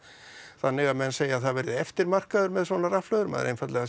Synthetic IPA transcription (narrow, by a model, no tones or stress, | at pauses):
θanːɪɣaðmɛnseːjaðθaðvɛɾðɪɛft̪ɪɾmar̥kaðʏɾmɛðsvɔnaraflœːðʏɾmɛ̰ðɾejnfat̪lɛɣa